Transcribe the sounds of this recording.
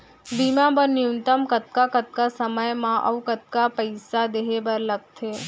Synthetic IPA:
bimãbəniunt̪əmkət̪̚kakət̪̚kasəməjmãʔə̰ʋkət̪̚kapəjsad̪eɦebəɾləɡ̚t̪ʰe

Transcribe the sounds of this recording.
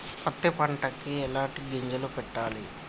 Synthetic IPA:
pɐt̪ːipɐɳʈɐkiɛlaːʈiɡeɲd͡ʒɐlupɛʈːaːli

